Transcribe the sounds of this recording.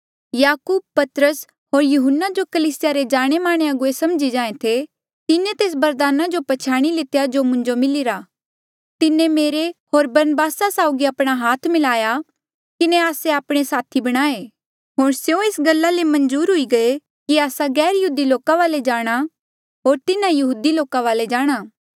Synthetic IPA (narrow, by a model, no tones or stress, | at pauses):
jaːkuːb̚pɐt̪ɾəs | ɦoːɾjʊɦʊnːad͡ʒokɐliːsɪjaɾed͡ʒaːɽ̃emaːɽ̃eaɡʊesɐmd͡ʒid͡ʒãːẽt̪ʰe | t̪ɪnẽt̪eːs̬bɐɾd̪aːnad͡ʒopɐt͡ʃʰaːɽ̃ilɪt̪ejad͡ʒomʊ̃ɲd͡ʒomɪlɪɾa | t̪ɪnẽmeːɾeɦoːɾbɐɾnəbaːsasaːʊɡiɐpɽ̃aɦaːt̪ʰmɪlaːja | kɪneaːseaːpɽ̃esaːt̪ʰibɐɽ̃aːe | ɦoːɽ̃sjõesɡɐlːalemɐ̃nd͡ʒuːɾɦʊiɡɐe | kiaːsaɡɛːɾjɐɦuːd̪iloːkaʋaːled͡ʒaːɽ̃a | ɦoːɾt̪ɪnãjɐɦuːd̪iloːkaʋaːled͡ʒaːɽ̃aː